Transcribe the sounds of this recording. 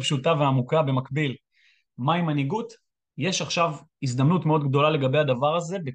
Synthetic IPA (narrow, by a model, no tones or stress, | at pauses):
pʃutaveamukabe̞makbil | majimaniɡut | je̞ʃaχʃavis̬d̪amnutmeo̞d̪ɡd̪o̞lale̞ɡabe̞jhad̪avaʁaze̞be